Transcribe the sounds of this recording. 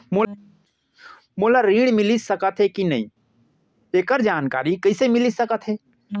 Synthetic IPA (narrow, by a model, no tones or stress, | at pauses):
mo | moːlaɾiːɽ̃mɪlisəkət̪ɦekinɐ̰ɦḭ̃ | eːkəɾd͡ʒaːnka̰ːɾikəɪsemɪlisəkət̪ɦeː